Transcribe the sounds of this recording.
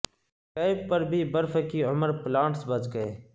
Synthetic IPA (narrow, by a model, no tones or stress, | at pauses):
kaːɪbpəɾbʱiːbəɾfəkiːʊməɾplãːɳʈsbət͡ʃɡəeː